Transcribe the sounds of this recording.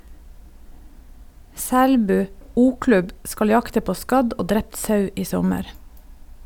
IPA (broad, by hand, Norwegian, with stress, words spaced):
ˈsæɽbʉː ˈuːˌklʉb ˈskɑl ˈjɑktə ˈpoː ˈskɑɟ ˈoː ˈdɾɛpt ˈsɑʉ ˈiː ˈsɔməɾ